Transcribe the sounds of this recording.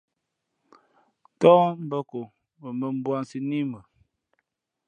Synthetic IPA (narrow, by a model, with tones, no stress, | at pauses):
tɔ˦m̩˦bə˦ko˨ | mə˨mə˨m˦bwa˦nsi˦ni˦mə˨